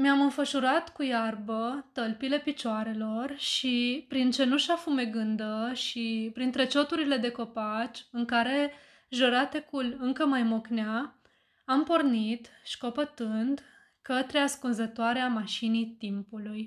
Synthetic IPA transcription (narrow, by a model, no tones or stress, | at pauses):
meamɨnfəʃuɾat̪kujarbət̪əlpile̞pit͡ʃoaɾe̞lo̞rʃipɾint͡ʃe̞nuʃafume̞ɡɨnd̪əʃipɾint̪ɾe̞t͡ʃo̞t̪uɾile̞d̪e̞ko̞pat͡ʃɨŋkaɾe̞ | ʒəɾat̪e̞kulɨŋkəmajmokneaː | mpo̞rnit̪ʃi̥ko̞pət̪ɨnd̪ | kət̪ɾeaskunzət̪oaɾeamaʃinit̪impuluj